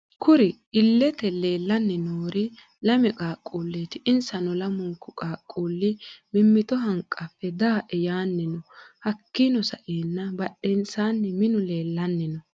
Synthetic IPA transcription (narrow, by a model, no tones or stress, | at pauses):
kʰʊɾɪ | ɪlːɛt̪ɛle̞ːlːɐnːɪnoːɾɪ | lɐmɛkʼaːkʼːuːlːeːt̪ɪʔɪnsɐnɔlɐmʊŋkːʊkʼaːkʼːuːlːɪmɪmːɪt̪ɔɦɐŋkʼːɐfːɛd̪aːʔɛjaːnːɪnɔhɐkːɪnɔsɐ̰ʔeːnːɐbɐɗːɛnsaːnːɪmɪnʊle̞ːlːɐnːɪnɔ